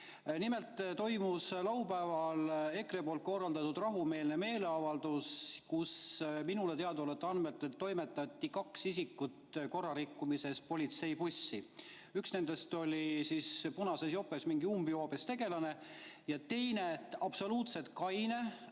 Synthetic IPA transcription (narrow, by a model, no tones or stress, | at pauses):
nimelt̪ːˑt̪o̞jmuslɑwpæevɑle̞krepo̞ːlt̪̚ko̞rːɑld̪ɑt̪ud̪rɑɦume̞ːlneme̞ːle̞ɑvɑld̪uskusminulet̪e̞ɑd̪olet̪ːɑnmet̪ːˑet̪ːo̞jme̞t̪ːˑɑt̪ʲːikɑksisikːˑut̪ko̞rːɑɾikːumise̞s̚po̞lʲit̪se̞jpusːi | yksne̞nd̪̥e̞st̪o̞lʲisiːspunɑsesjo̞pːˑe̞smiŋɡiumbioːbest̪e̞ɡ̥e̞lɑne̞ | jɑt̪e̞jne̞ɑb̥so̞luːt̪se̞t̪̚kɑjne̞